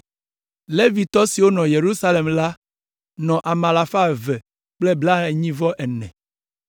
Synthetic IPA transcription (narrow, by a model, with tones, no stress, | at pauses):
le˦vi˨t̪ɔ˦si˨wo˦nɔ̃˨je˨ɾu˦sa˦le˨mla˦ | nɔ̃˨ʔa˨mã˨la˨fa˦vɛ˨ | k͡plɛ˦bla˦e˨ɲĩ˦vɔ˦ʔɛ˨nɛ̰̃˨